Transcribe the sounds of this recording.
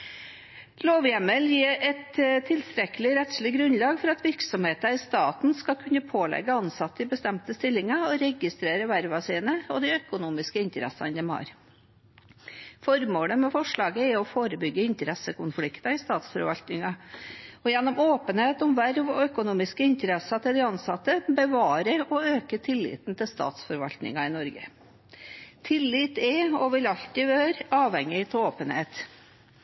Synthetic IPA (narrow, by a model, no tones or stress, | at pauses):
loːʋjɛməljiːɛt̪t̪ʰːɪlst̪ɾɛkːəlɪɾɛt̪sɭɪɡɾʉnlɑːɡfɔɾɑt̪ʋɪɾksɔmheːt̪ɑɪst̪ɑːt̪n̩skɑkʰʉnːəpʰoːlɛ̰ɡːəɑnsɑt̪ːɪbəst̪ɛmt̪əst̪ɪlːɪŋɑɔɾɛɡɪst̪ɾeːɾəʋæɾʋɑsiːnəɔd̪ɪœkʊnuːmɪskəɪnt̪əɾɛ̰sɑ̰nd̪əmɑ̰ɾ | fɔɾmoːləmɛfɔʂɭɑːɡəɛɔfoːɾəbʏɡːəɪnt̪əɾɛsəkʊnfɽɪkt̪ɑɪst̪ɑːt̪sfɔɾʋɑlt̪nɪŋɑ | ɔjɛnːʊmoːpənheːt̪ɔmʋæɾʋœkʊnuːmɪskəɪnt̪əɾɛsɑt̪ʰɪld̪ɛɑnsɑt̪əbəʋɑːɾəɔøːkət̪ʰɪlːɪ̰ːt̪nt̪ʰɪlst̪ɑ̰ːt̪sfɔɾʋɑ̰lt̪nɪ̰ŋɑɪnɔɾɡə̰ | t̪ʰɪlːɪt̪ɛɔʋɪlɑʎt̪ɪʋøːɾɑːʋhɛŋɪt̪ʰoːpənheːt̪